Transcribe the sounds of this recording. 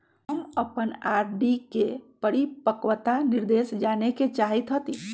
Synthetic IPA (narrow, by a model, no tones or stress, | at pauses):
ɦəməpənaːɾɖikepəɽipəkʋət̪anɪɾd̪eːʃd͡ʒaːneket͡ʃaːɦit̪ɦət̪i